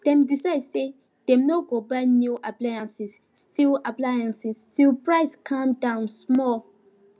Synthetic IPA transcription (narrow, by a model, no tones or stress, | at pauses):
d̥ɛ̃mdisaɪdse | d̥ɛ̃mnoɡobanjuʔaplajãnsisːtʰilaplajãnsistʰilpɹaɪskʰãmdãʊ̃nsmɔl